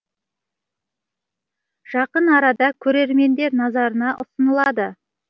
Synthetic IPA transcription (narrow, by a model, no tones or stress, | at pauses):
ʒ̥ɑqənɑɾɑd̪ɑkʲʰɵɾe̞ɾme̞nd̪e̞ɾnɑzɑɾənɑʔʊsənəlˠɑd̪ə